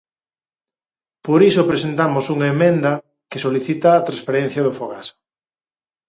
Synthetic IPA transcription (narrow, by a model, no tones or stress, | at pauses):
poɾisʊpɾesent̪amosuŋaemẽnd̪ɐ | kesoliθit̪ɐːt̪ɾaspeɾɛ̃n̟θjɐðʊfoɣaso̥